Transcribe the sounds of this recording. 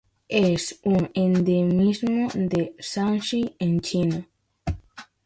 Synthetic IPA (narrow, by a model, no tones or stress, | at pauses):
esuŋend̪emismod̪esanʃient͡ʃino